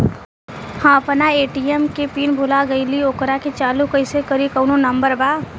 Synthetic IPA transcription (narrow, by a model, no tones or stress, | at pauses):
hãəpnaeːʈiemkepiːnbʱulaɡəɪlioːkɾaket͡ʃaːlukəɪsekəɾikəʊnonəmbəɾbaː